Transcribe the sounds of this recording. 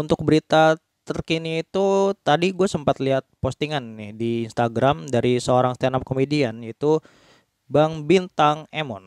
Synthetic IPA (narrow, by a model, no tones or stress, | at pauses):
unt̪ʊk̚bəɾit̪a | t̪ərkiniːt̪ut̪adiɡuasəmpat̪liɦat̪̚post̪iŋanːɪhdiːnst̪aɡɾamdaɾisəoɾaŋst̪anap̚komedianit̪u | baŋbint̪aŋemɔ̰n